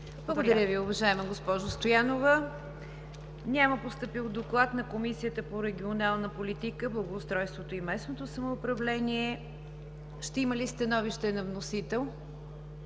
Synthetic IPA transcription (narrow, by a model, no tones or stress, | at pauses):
blˠəɡod̪ɐɾʲjəviʊvɐʒaɛməɡospɔʒost̪ojanovə | nʲaməpost̪əpilˠd̪oklˠat̪nɐkomisijət̪əpoɾɛɡʲionalˠnəpolit̪ikəblˠəɡoːst̪ɾɔjst̪vot̪oimɛsnot̪osəmoːpɾɐvlɛniɛ | ʃt̪ɛiməlist̪ɐnɔviʃt̪ɛnɐvnosit̪ɛlˠ